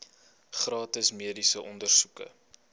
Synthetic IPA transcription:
χrɑːtəsmiədisəʔɔndərsukə̰

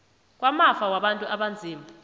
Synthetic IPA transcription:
k̬ʼwamafawaɓantʼuʔaɓand͡zʱiːma

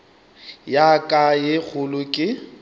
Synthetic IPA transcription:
jakʼajɪk͡xʰʊlʊkʼɪ

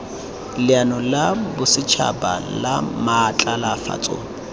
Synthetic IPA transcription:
lɪanɔlabʊsɪt͡ʃʰa̰ba̰lamaːt͡ɬʼalafa̰t͡sʼo̰ːŋ̩

